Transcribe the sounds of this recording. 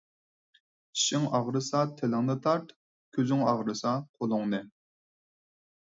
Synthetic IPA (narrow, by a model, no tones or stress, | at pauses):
iʃɪŋɑʁɾɨsɑt̪ʰelɪŋnɨt̪ʰɑɾt̪ | kʲʰøzyŋɑʁɾɨsɑqʰolˠʊŋnɨ